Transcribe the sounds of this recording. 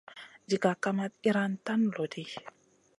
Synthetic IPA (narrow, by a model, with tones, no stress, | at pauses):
d͡ʒi˨ɡa˨kama˦t̪̚i˦ɾant̪a˦nlo˨di